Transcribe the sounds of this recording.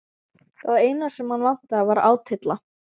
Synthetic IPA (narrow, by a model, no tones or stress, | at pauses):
θaðeːjnasɛmhanvan̥t̪avaɾa̰ːwt̪ʰɪt̪la